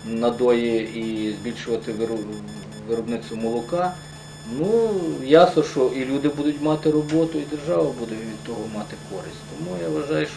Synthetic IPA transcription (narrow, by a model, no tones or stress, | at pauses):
nɐd̪ɔjiizʲbʲilʲʃʊʋɐt̪ɪʋ | ʋɪɾɔbnɪsʊmɔlˠʊkɑ | nujasnɔʃt͡ʃɔʔilʲud̪ɪbud̪ʊtʲmɑt̪ɪɾɔbɔt̪ʊid̪erʒɑʋɐbud̪ɛʋʲid̪̚t̪ɔɦɔmɑt̪ɪkɔɾɪ̰sʲtʲt̪ɔmujaʋɐʒɑjʊʃ